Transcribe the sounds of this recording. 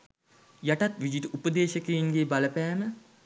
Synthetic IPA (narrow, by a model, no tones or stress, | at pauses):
jaʈat̪ʋid͡ʒiʈəupəd̪eːʃəkəjinɡeːbaləpæːmə